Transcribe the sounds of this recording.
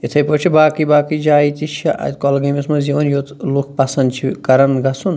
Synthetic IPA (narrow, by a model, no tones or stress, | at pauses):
jit̪ʰɐjpot͡ʃʰibaːkibaːkid͡ʒaːit̪it͡ʃʰɐʔɐ̰t̪ʲkɔlɡɐmismɐzjiʋɐnjoːt̪luk̚ʰpɐsɐnd̪t͡ʃʰikɐɾɐnɡɐsun